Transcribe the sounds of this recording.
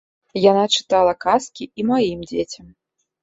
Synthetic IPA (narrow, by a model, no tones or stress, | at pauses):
janat͡ʂɨ̥t̪alˠɐkaskʲiimajimd͡zʲet͡sʲɐm